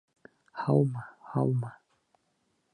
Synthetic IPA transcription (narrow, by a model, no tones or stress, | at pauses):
hawmahawma